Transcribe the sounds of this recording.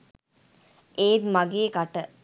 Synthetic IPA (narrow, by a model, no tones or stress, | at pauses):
ʔeːd̪maɡeːkaʈə